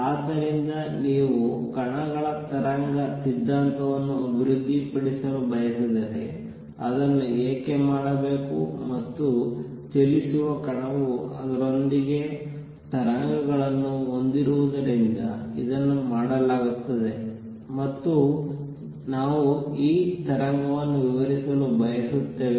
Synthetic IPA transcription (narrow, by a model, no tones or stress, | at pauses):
aːd̪ːɐɾind̪ɐ | niːʋukɐɳɐɡɐɭɐt̪ɐɾaŋɡɐsid̪ʱːaːnt̪ɐʋɐnːuɐbʱiɾud̪ʱːipɐɽisɐlubʱɐjɐsid̪ɐɾḛ | ɐd̪ɐnːueːkemaːɽɐbe̞ːkṵmɐt̪ːut͡ʃelisuʋɐkɐɳɐʋuɐd̪ɐɾo̞nd̪iɡe̞ | t̪ɐɾaŋɡɐɡɐɭɐnːuo̞nd̪iɾuʋud̪ɐɾind̪ɐ̰ḭd̪ɐnːumaːɽɐlaːɡut̪ːɐd̪e̞ | mɐt̪ːu | naːʋuiːt̪ɐɾaŋɡɐʋɐnːuʋiʋɐɾisɐlubʱɐjɐsut̪ːe̞ːʋi